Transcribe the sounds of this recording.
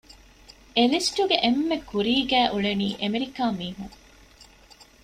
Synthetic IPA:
elisʈuɡeʔemːekuɾiːɡæːʔuɭeniːʔemeɾikaːmiːɦũŋ

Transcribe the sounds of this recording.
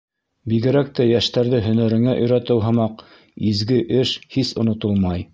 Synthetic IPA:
biɡɘ̆ɾæk̚t̪æjæʃt̪æɾðɘɦɵ̆næɾɘ̆ŋæʔɵ̆jɾæt̪ɘwɦɤ̆mɑq | izɡɘʔɘʃhisŏnŏt̪olˠmɑj

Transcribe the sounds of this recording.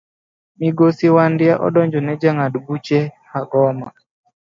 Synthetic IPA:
miɡosiwandɪaʔɔ̰ɗɔɲd͡ʒɔnɛd͡ʒaŋadɡut͡ʃɛhaɡɔma̰

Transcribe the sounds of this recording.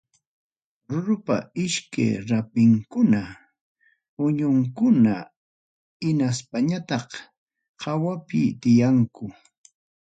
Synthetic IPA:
ɾʊɾʊpa̰ɪʃka̰jɾapɪŋkʊna | ʊɲʊŋkʊna | ɪnaspaɲat̪ɑq | hɑwapɪt̪ɪjaŋkʊ

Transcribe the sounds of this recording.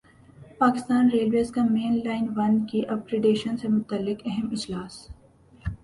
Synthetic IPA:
paːkɪst̪aːnɾeːlʋeːzkameːnlaːɪnʋɐnkiʔɐb̚kɾeɖeːʃənsemʊt̪əlːɪkɛɦɛmɪd͡ʒlaːs

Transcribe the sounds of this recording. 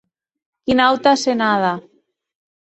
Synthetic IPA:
kinawt̪asenaða

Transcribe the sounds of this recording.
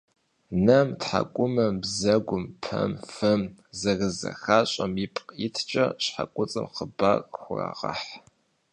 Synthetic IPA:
nɐmtħakʷʼʊmɐmbzɐɡʷʊmpʰɐmfɐmzɐrɨzɐ̰xaːɕʼɐmjɪpʼqʼɪtʰt͡ʃʼɐɕħakʷʼʊt͡sʼɨmqʰəbarxʷʊra̰ʁɐħ

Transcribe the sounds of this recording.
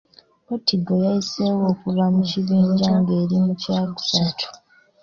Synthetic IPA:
kotʰiɡojaise̞wo̞ːkuβamuciβiːɲɲɟaŋɡe̞ːɾimucaːɡu̥satʰu̥

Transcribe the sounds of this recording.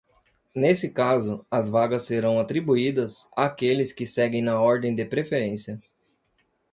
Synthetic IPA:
nesɪkazʊɐzvaɡɐsːeɾɐ̃w̃at̪ɾibuid̪ɐzaːkelɪskɪsɛɡẽj̃nɐɔɾd̪ẽj̃d̪ɪpɾefeɾẽsiɐ

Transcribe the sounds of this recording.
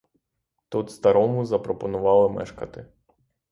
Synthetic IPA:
t̪ut̪st̪ɐɾɔmʊzɐpɾɔpɔnʊʋɑlˠɪmɛ̰ʃkɐt̪ɪ

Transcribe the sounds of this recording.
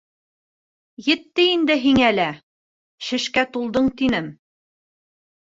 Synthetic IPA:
jɘ̆t̪ːɘind̪ɘɦiŋælæ | ʃɘ̆ʃkæt̪ulˠd̪ɤɴt̪inɘm

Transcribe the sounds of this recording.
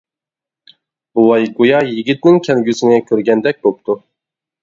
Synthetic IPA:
bulˠɑjɡojɑjiɡʲit̪̚nɪŋkʲʰɛlɡʲysɪŋɛkʲʰøɾɡʲɛnd̪ɛk̚ʲbop̚t̪u

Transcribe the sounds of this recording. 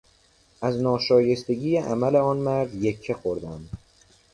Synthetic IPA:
ʔæznɒːʃɒːje̞st̪e̞ɟiːjeʔæmæle̞ɒːnmæɾd̪je̞kʰːexoɾd̪æm

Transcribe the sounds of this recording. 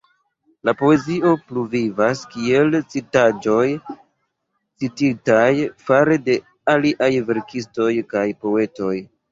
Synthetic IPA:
lapo̞e̞zio̞pluvivaskie̞lt͡sitad͡ʒo̞j | t͡sititajfaɾe̞de̞ | aliʔajve̞ɾkʰisto̞jkajpo̞e̞to̞j

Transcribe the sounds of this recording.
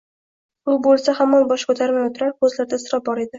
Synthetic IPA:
ʊbolˠsahamːanbɒʃkʰɵt̪ʰaɾvajɒt̪ʰʊɾaɾkʰɵzlaɾd̪asɪɾɒp̚bɒɾe̞d̪ɪ

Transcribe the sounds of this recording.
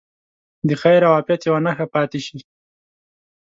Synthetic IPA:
d̪əxajɾawaːpjat̪jawanaxapɑt̪ɪʃi

